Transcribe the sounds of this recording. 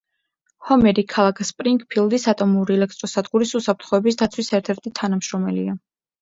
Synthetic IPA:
hɔmɛɾikʰalˠakʰspʼɾiŋkʼpʰilˠd̪isat̪ʼɔmuɾiɛlɛk̚ʰt̪ʼɾɔsad̪ɡuɾisusapʰɾt̪ʰχɔɛbisd̪at̪sʰwisɛɾt̪ʰɛɾt̪ʰit̪ʰanamʃɾɔmɛlḭa

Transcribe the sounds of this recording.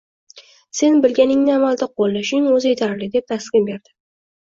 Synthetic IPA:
se̞nbɪlɡʲanɪŋnɪamald̪aqʰolːaʃɪŋɵzet̪ʰaɾlɪd̪e̞p̚t̪askʲɪmbe̞ɾd̪̥ɪ̥

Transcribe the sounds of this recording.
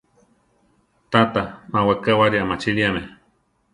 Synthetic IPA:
t̪at̪amawakawaɾiamat͡ʃiliame

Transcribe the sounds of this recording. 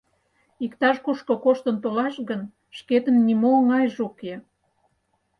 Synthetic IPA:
ikt̪ɑʃkuʃkokoʃt̪ənt̪olɑʃɣən | ʃket̪ənːimoŋɑjʒoke

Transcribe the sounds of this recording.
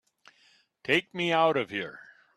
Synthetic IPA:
tʰeɪk̚miaʊɾʌv̥hiɹ

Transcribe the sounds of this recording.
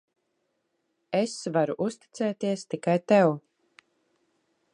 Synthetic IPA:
esvaɾuʔust̪i̥t̪sɛːt̪iɛst̪ikajt̪ɛw

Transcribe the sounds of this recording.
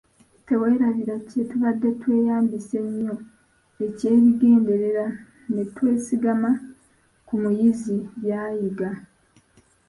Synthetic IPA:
te̞we̞ːɾaβiɾace̞tuβadːe̞twe̞ːjaːmbise̞ɲːo̞ | ece̞ːβiɡe̞ːnde̞ɾe̞ɾa | ne̞twe̞ːsiɡama | kumujizijaːjiɡa

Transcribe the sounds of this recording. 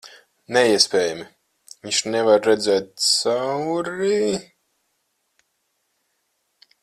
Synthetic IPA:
neiɛspʲeːjami | viɲʲʃnɛvaɾːɛd̪zɛːt̪̚sawɾi

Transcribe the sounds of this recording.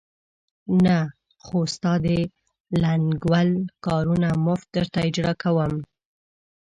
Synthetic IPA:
na | xost̪ɑd̪e | laŋɡwalkɑɾunamʊft̪̚d̪əɾt̪aɪd͡ʒɽɑkawəm

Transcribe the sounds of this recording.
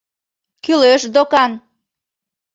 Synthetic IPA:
kyløʃd̪okɑn

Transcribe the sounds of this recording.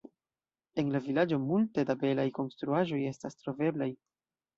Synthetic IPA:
e̞nlavilad͡ʒo̞multe̞dabe̞lajko̞nstɾuaʒo̞je̞stastɾo̞ve̞blaj

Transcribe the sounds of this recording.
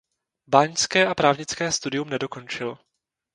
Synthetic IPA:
baːɲskɛːʔapɾaːvɲɪt͡skɛːst̪udɪjumnɛdo̞ko̞nt͡ʃɪl

